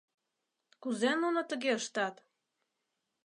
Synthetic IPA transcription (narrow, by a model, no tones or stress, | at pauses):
kuzenunot̪əɣeəʃt̪ɑt̪